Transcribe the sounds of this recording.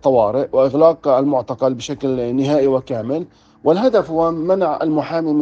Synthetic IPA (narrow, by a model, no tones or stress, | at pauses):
t̪ˤːɑwɑːɾɪʔwɪʔɪɣlɑːqalmʊʕt̪ɑqɑlbɪʃaklnɪɦaːʔiwɪkaːmɪl | wɪlɦad̪afhʊwamanaʕa̰lmʊħaːmim